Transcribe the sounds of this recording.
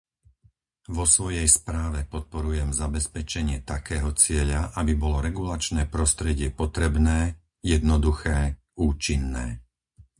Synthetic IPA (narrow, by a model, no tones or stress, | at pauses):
ʋɔsʋɔjɛjspɾaːʋɛpɔt̪̚pɔɾujɛmzabɛspɛt͡ʃɛɲɪɛt̪akɛːɦɔt͡sɪɛʎaʔabibɔlɔɾɛɡulat͡ʃnɛːpɾɔst̪ɾɛɟɪɛpɔt̪ɾɛbnɛː | jɛd̪nɔd̪uxɛː | uːt͡ʃinːɛ̰ː